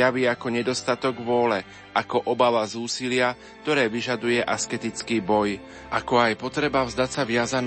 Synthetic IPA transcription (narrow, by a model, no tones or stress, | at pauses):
aʋiːakɔɲɛd̪ɔst̪at̪ɔɡʋʊɔlɛ | ʔakɔʔɔbaʋazuːsilɪa | k̚t̪ɔɾɛːʋiʒad̪ujɛʔaskɛt̪it͡skiːbɔj | ʔakɔajpɔt̪ɾɛbavzd̪acsaʋɪazan